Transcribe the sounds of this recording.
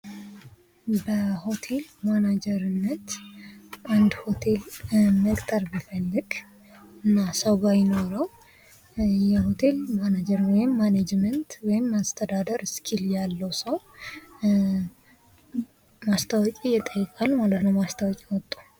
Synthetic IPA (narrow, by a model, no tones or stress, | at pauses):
bəho̞t̪ʰe̞lmanad͡ʒɛɾɨnːət̪ | ʔand̪ho̞t̪ʰe̞lməkʼt̪ʼəɾbifəlːɨɡ̥ | ɨnːasəwɡajɪno̞ɾəw | jɛho̞t̪ʰe̞lmanad͡ʒəɾwɔjɪmːaned͡ʒmənt̪wɔjɪmːast̪ʰəd̪ad̪əɾskʰiljalːəwsəw | mast̪ʰəwɔkʼijɛt̪ʼəjːɛkʼalmalət̪nəwmast̪ʰəwɔkʼiwɔt̪ʼːu̥